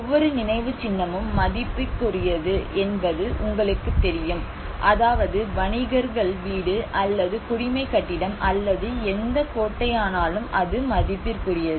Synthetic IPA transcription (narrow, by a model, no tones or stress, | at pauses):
ɔʋːɔɾɯnɪnɐɪʋɯt͡ʃɪnːɐmɯmːɐðɪpːɪrkʊrɪjɐðɯʔɛnbɐðɯʔʊŋɡɐɭɯkːɯt̪ːɛɾɪjɯm | ʔɐðaːʋɐðɯʋɐɳɪɣɐɾɣɐɭʋiːɽɯʔɐlːɐðɯkʊɽɪmɐɪkːɐʈːɪɽɐmʔɐlːɐðɯɛnd̪ɐkoːʈːɐjaːnaːlɯmɐðɯmːɐðɪpːɪrkʊrɪjɐðɯ